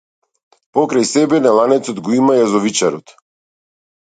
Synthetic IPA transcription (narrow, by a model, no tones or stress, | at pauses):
pɔkɾajsɛbɛnalˠanɛt̪sɔd̪ɡɔimajazɔvit͡ʃaɾɔt̪